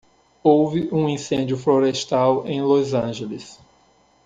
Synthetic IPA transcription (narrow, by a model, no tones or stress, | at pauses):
owvɪʔũĩsẽd͡ʒjʊfloɾest̪awẽj̃lozɐ̃ʒelɪs